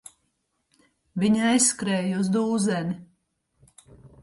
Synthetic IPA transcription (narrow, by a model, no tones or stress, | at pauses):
vʲiɲajsːkɾɛːjuzd̪uːzɛni